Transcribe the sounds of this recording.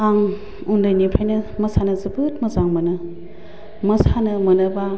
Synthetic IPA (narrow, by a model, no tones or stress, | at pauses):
aŋ | undɯjnipʰajnɐmɐsanɐzɯbɯt̚mɐzaŋmɐnɯ | mɐsanɐmɐnɐba